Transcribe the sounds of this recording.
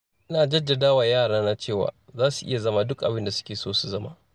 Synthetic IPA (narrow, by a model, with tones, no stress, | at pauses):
ʔɪ˦naː˨d͡ʒɐ˦dːa˨daː˦waː˨jaː˦˨ɽaː˦na˦t͡ʃeː˦˨wa̰ː˨zaː˦su˨ʔɪ˦ja˨zɐ˦ma˦dʊ˦kʼʔa˨bɪ˦nda˨sʊ̥˦kʲeː˨soː˦su˨zɐ˦ma̰ː˦